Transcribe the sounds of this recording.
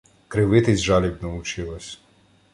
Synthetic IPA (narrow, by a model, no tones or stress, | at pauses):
kɾɪʋɪt̪ɪzʲʒɑlʲibʲnɐʊt͡ʃɪlˠɔsʲ